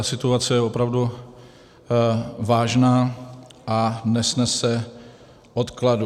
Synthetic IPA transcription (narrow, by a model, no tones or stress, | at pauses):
asɪt̪uat͡sɛjɛopɾavdu | vaːʒnaːʔanɛsnɛsɛ | ʔot̪kladu